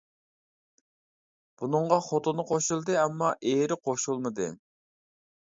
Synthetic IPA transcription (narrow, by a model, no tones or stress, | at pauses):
b̥unɨɴʁɑχot̪ʰonɨqʰoʃulˠd̪ɨɛmːɑʔeɾɪqʰoʃulˠmɨd̪ɨ̰